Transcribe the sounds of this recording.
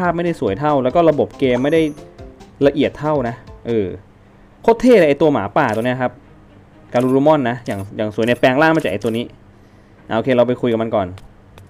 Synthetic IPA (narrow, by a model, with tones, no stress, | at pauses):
pʰaː˥˩p̚m˥˩jda˥˩jsu˩˦əjt̪ʰa˥˩wlɛ˦˥wkɔ˥˩ɾa˧bo˨˩p̚keː˧mːa˥˩jda˥˩jla˧ʔi˨˩ət̪ʰːa˥˩wna˦˥ʔɤː˧ | kʰo˦˥t̪ʰːeː˥˩lːʔa˧jt̪u˧ɐmaː˩˦paː˨˩t̪u˧ni˦˥˩kʰa˦˥p̚ | kaː˧luː˧luː˧˥mɔ˥˩nːa˦˥jaː˨˩ŋjaː˨˩ŋsu˨˦ni˧˩pɛː˧ŋlaː˥˩maː˥˩t͡ɕaː˨˩ʔjt̪u˧niː˦˥ | ʔa˧ʔoː˧kʰeː˧ɾa˧wp̬a˧jkʰu˧jka˨˩ma˧nkɔː˨˩n